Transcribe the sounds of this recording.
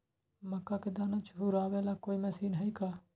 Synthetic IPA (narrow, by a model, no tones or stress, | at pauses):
məkːaːkɪd̪aːnaːt͡ʃɦuːɾaːʋeːlaːkoːiːmɛːsiːnɦɛiːkaː